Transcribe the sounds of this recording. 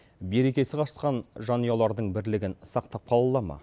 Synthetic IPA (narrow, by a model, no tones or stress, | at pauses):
be̞ɾe̞kʲe̞sɪqʰɑə̥sqɑnʒɑnijɑlˠɑɾd̪əɴbɪɾlɪɡʲɪnsɑqt̪ɑp̚qʰɑlˠɑlˠɑmɑ̰